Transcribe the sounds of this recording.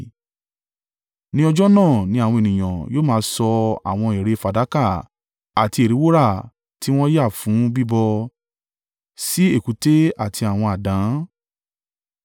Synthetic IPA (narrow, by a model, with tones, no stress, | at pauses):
nĩ˦ɔ˧d͡ʒɔ˦nã˦˨nĩ˦a˦˨w̃ɔ̃˧e˨nĩ˨j̃ã˨jo˦mãː˦˧˦sɔ˧a̰˨w̃ɔ̃˧e˨ɾe˨˧fa˨da˨˦ka˦˨ | a˨ti˧e˨ɾi˨˦wo˦ɾa˦˨ | ti˦w̃ɔ̃˦ja˦˨fũ˨˦bi˦bɔ˧ | si˦e˦˨ku˨˦te˦a˦˨tʰi˧a˨w̃ɔ̃˧a˨dã˨˦